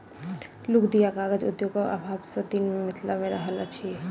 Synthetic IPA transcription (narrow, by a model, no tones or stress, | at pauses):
lʊkd̪ijakaːɡəd͡ʒʊ̰d̪joɡaʔa̰bʱaːbsat̪iːnmmɪt̪ʰlamẽɾɐɦəlat͡ʃʰie